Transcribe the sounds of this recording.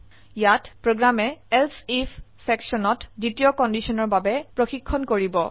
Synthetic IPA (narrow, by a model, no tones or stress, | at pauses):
jatpɹoɡɹamɛɛlsifʰsɛksɔnɔtditijɔkɔndisɔnɔɹbabɛpɹoxikʰːɔnkoɹibɔ